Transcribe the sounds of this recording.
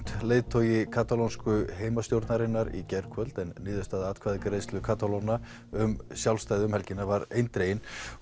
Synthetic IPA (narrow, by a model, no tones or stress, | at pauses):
t̪leːjðt̪ʰoːjɪkʰaːt̪alownskʏɦeːjmast̪jowɾt̪naɾɪnːaɾḭcɛɾkʰvœlt̪ɛnːiːðʏst̪aːðaaːt̪kʰvaːðɪkɾejst̪lʏkʰaːt̪alona | ʏmsjawlst̪ajðɪʏmhɛlcɪnːavaɾejnt̪ɾeːjɪn